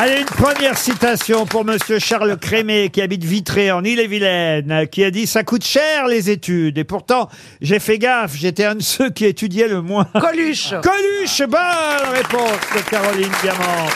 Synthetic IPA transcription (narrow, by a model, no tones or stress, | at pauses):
ɛlɛynpχəmjɛʁsit̪asjɔ̃puʁməsjøʃaʁlkχemekʲiabit̪vit̪χeɑ̃nilevilɛnkʲiad̪isakut̪ʃɛʁlezet̪yd̪epuʁt̪ɑ̃ | ʒefɛɡafʒet̪ɛɛ̃d̪əsøkʲiet̪yd̪jɛləmwɛ̃kɔlyʃkɔlyʃbɔnʁepɔ̃sd̪əkaʁɔlind̪jamɑ̃